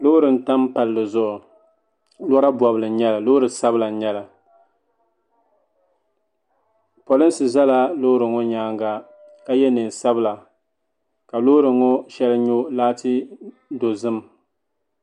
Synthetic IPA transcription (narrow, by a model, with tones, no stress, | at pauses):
lo˦ʊ˦ɾɨ˨n̩˦ta˦mpa˨lːɨ˨zʊ˨ʔʊ˨ | lɔ˦ɾa˦bwɔ˨bɨ˨lɨ˨˦ɲɛ˦la˨loː˦ʊ˦ɾɨ˨sa˦bɨ˦la˨ɲɛ˦la˨ | po˨lɨ˦n˦sɨ˨za˦la˦lo˦ɾɨ˨ŋo˦ɲaː˦ŋɡa˦ | ka˦jɛ˦nɨ˨nsa˦bɨ˦la˨ | ka˨lo˦ɾɨ˨ŋo˦ʃɛ˦lɨ˦ɲo˦laː˦tɨ˦ | do˨zɨ˦m